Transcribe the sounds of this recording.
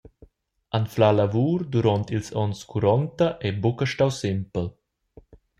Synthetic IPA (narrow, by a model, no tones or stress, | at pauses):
anflalavuːɾd̪uɾɔnt̪ilsɔnskʰuɾɔnt̪ɐʔɛbukəʃtawsɪmpəl